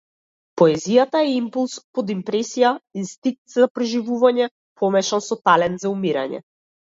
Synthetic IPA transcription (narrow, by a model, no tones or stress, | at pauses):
pɔɛzijat̪aɛimpulˠspɔd̪impɾɛsijaist̪ik̚t̪zapɾɛʒivuvaɲɛ | pʰɔmɛʃansɔt̪alɛnt̪zaumiɾa̰ɲɛ̰